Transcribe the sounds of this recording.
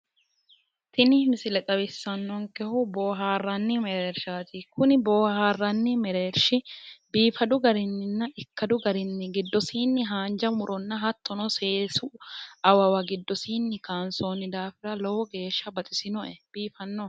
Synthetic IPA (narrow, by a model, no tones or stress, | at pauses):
t̪ʰɪnɪhmɪsɪlɛt̪ʼɐbɪsːɐnːɔŋkɛhʊboːɦaːrːɐnːɪmɛɾeːɾʃaːt̪ɪkʊnɪboːhaːrːɐnːɪmɛɾeːɾʃɪbiːfɐd̪ʊɡɐɾɪnːɪnːɐʔɪkːɐd̪ʊɡɐɾɪnːɪɡɪd̪ːɔsiːnːɪɦaːnd͡ʒɐmʊɾʔɔnːɐɦɐt̪ːɔnɔse̞ːsʊɐwɐwɐɡɪd̪ːɔsiːnːɪkaːnsoːnɪd̪aːfɪɾɐlɔwɔɡe̞ːʃːɐbɐt̪ʼɪsɪnɔʔɛb̥iːfɐnːɔ